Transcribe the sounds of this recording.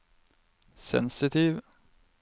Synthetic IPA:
sɛ̰nsɪt̪ʰiːʋ

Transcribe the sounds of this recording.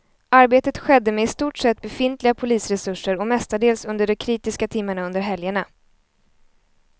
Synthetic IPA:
ʔaɾbeːt̪ət̪ɧɛd̪ːəmɛɪst̪uːʈʂɛt̪̚ːbɛfɪnt̪lɪɡapʰʊliːsɾɛsɵʂːəɾɔmɛst̪aɖeːlsɵnd̪əɖɔkʰɾiːt̪ɪskat̪ʰɪmːəɳaɵnd̪əɾɦɛljəɳa

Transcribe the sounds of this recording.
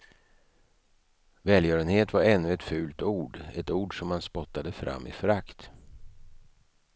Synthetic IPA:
vɛːljœːɾənheːt̪vaɾɛnːɵɛt̪fʉ̟ːlt̪uːɖɛt̪uːɖʂɔmhanspɔt̪ːad̪əfɾa̰mːʔɪ̰fœɾakt̪

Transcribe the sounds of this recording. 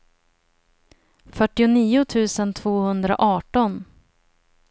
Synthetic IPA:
fœʈːɪʊniːʊt̪ʰʉ̟ːsənt̪ʰv̥oːhɵnd̪ɾa̰ʔɑːʈɔn

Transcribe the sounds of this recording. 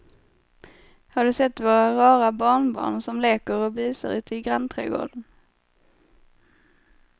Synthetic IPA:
haɖɵsɛt̪ːvoːɾaɾɑːɾabɑːɳbɑ̰ːɳsɔmleːkəɾɔbiːsa̰ɾʉ̟ːt̪ʰəɪɡɾant̪ʰɾḛːɡo̰ːɖən

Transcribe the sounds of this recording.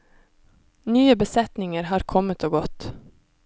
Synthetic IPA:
nyːəbəsɛt̪nɪŋəɾhɑːɾkʰɔmət̪ʰoːɡɔt̪

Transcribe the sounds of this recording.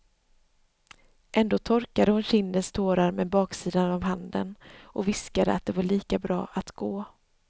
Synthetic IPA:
ʔɛnd̪oːt̪ʰɔɾkad̪əhʊnɕɪnd̪ənst̪ʰoːɾaɾmɛbɑːksiːd̪anavɦand̪ə̰nʔɔvɪskad̪ə̰at̪̚d̪ɛvaɭiːkabɾɑ̰ːʔat̪ɡ̥oː

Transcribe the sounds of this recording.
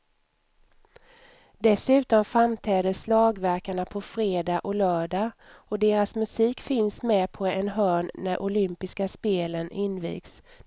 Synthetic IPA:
d̪ɛsʉ̟ːt̪ɔmfɾamt̪ʰɛːd̪əslɑːɡvæɾkaɳapʰɔfɾeːd̪ɑʔɔlœːɖɑɔd̪eːɾasmɵsiːkfɪnsmɛːpʰɔɛnɦœːɳːæɾʔʊlʏmpɪskaspeːlənʔɪnvḭːɡs

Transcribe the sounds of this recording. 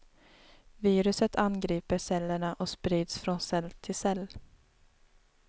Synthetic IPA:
viːɾɵsət̪ʰanɡɾiːpəsɛlːəɳaʔɔspɾiːd̪sfɾɔnsɛlt̪ʰɪlsɛlː

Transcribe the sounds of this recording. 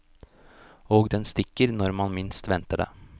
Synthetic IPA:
ɔɡd̪ɛnst̪ɪkːəɾnɔɾmanmɪnst̪ʋɛnt̪aɖɛ̰

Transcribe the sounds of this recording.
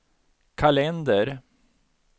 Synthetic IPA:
kʰalɛnd̪əɾ

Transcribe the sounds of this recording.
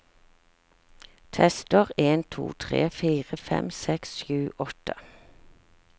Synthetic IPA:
t̪ʰɛst̪əʁeːnt̪ʰṵːt̪ʰʁḛːfiːʁəfɛ̰msɛksʃjʉːʔɔt̪ʰə

